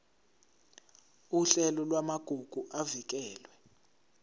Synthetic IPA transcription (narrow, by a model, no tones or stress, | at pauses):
uɬɛlɔlwamaɡ̥ʱuɡ̥ʱuʔavik̬ɛːlwɛ